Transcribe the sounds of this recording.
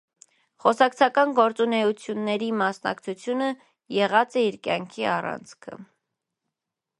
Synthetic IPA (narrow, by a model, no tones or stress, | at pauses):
χɔsɑkt͡sʰɑkɑnɡɔɾt͡sunɛut͡sʰjunːɛɾimɑsnɑ̰kt͡sʰut͡sʰjunə | jɛʁɑt͡sɛiɾkjɑŋkʰiɑrɑ̰nt͡sʰkʰə̰